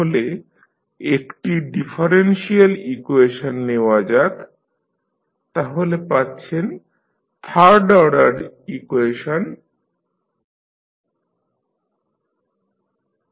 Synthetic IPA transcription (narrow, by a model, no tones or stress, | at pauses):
ole | ekʈiɖifʰaɾenʃialikueʃonːewad͡ʑak | t̪aɦolepatːɕʰen | t̪ʰaɾɖɔɽaɾikueʃon